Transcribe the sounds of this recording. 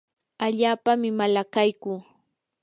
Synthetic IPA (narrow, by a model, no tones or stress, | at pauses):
aʎaːpamɪmalakajkʊː